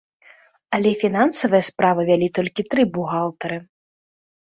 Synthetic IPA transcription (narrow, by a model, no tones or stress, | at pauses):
ɐlʲɛfʲinansɐvɨjɐspɾavɨvʲalʲit̪ɔlʲkʲit̪ɾɨbuɣalˠt̪ɐɾɨ